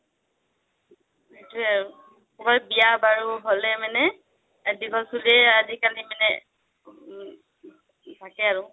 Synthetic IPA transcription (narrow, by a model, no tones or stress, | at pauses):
etuɛ | xɔkɔlbijabaɹuɦolɛmanɛ | adikɔsuliɛazikalimanɛ̰ | tʰakɛaɹʊ